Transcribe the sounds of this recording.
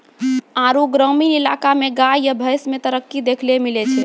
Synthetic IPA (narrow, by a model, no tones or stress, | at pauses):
ãɾuɡɾəminila̰kameɡajəbʱəjsmet̪əɾəkːid̪ekʰlemilet͡ʃʰɛ